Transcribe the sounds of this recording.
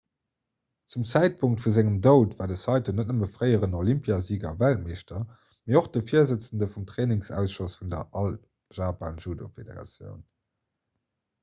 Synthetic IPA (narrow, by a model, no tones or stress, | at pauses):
t͡sumt͡sæɪt̚pʰuŋk̚tfuzæŋəmdəʊtvaːdəsɑɪtonət̚nəməfʁəɪəʁənolimpʰjaziːɡɐ̰vælt̚meːʃtɐ | meːoχd̥əfiːɐzət͡səndəfumtʁeːnɪŋsæ̰ʊsʃosfundɐ̰ʔɑl | ʒ̥aːpʰaːnʒuːdofedḛʁɑ̰t͡sjə̰ʊn